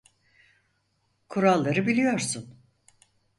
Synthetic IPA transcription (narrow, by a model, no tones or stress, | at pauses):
kʰuɾalˠːaɾɯbilʲijo̞ɾsun